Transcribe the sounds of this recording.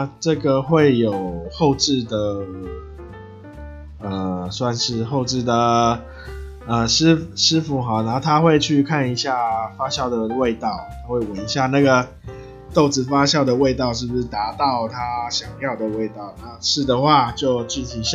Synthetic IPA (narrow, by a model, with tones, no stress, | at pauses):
ʈ͡ʂɤ˥˩ɡə˩xwe˥˩ɪjo˨˩ʊʊxo˥˧ʊʈ͡ʂɻ̩˥˩d̪ə˩ | ə˨swa˥˧nʂɻ̩˥˧xo˥˧ʊʈ͡ʂɻ̩˥˩d̪ə˩ | ə˨ʂɻ̩˥ʂɻ̩˥fu˧˥xɑ˧˥˩na˧˥˩t̪ʰa˥xwe˥˧ɪt͡ɕʰy˥˧kʰa˥˩ni˧˥ɕja˥˩fa˥ɕjɑ˥˩ʊd̪ə˩we˥˧ɪt̪ɑ˥˩ʊa˥xwe˥˩ɪwə˨˦ni˧˥ɕja˥˧na˥˩ɡə˩ | t̪o˥˩ʊt͡sɹ̩˨˩fa˥ɕjɑ˥˩ʊd̪ə˩we˥˧ɪt̪ɑ˥˧ʊʂɻ̩˥˩bu˩ʂɻ̩˥˩t̪a˧˥t̪ɑ˥˩ʊt̪ʰa˥ɕjɑ˨˩ŋjɑ˥˩ʊd̪ə˩we˥˧ɪt̪ɑ˥˩ʊna˥˧ʂɻ̩˥˩d̪ə˩xwa˥˧t͡ɕjo˥˧ʊt͡ɕy˥˩t̪ʰi˧˥ɕ